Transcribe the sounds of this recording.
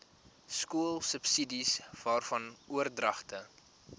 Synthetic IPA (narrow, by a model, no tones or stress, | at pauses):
skuəlˠsəpsidisv̥ɑːrfɐnuərdrɐχtə